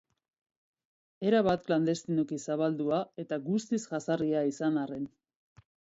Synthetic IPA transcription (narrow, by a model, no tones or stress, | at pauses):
e̞ɾaβat̪kland̪e̞st̪ino̞kisaβald̪uae̞t̪aɡust̪isʝasariaisanaren